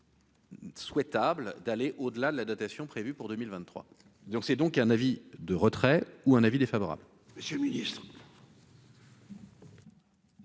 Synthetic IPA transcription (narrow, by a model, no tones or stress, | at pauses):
swɛt̪abld̪aleʔod̪əlad̪əlad̪at̪asjɔ̃pχevypuʁd̪əmilvɛ̃t̪ːχwa̰ | d̪ɔ̃ksɛd̪ɔ̃kɛ̃navid̪əʁət̪χɛuɛ̃navid̪efavɔʁa̰bl | məsjølminist̪χ